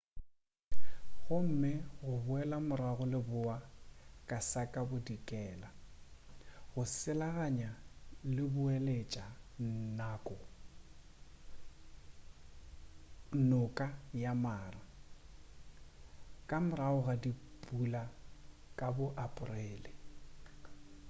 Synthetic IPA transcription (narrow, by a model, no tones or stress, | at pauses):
ɣʊm̩mɪɣʊbʊɛlamʊɾaɣʊlɪbʊakʼasakʼabʊdikʼɛːla | ɣʊsɪlaɣaɲalɪbʊɛlet͡ʃʼannaːkʼɔ | nʊkʼajamaːra | kʼamʊɾaʊɣadipʼula | kʼabʊʔapʼʊrɛːlɪ